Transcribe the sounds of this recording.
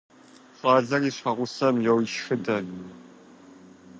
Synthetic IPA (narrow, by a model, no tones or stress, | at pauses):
qʼɑːzɐriːɕɐʁʷʊsɐmjɛwɪʃxɨdɐ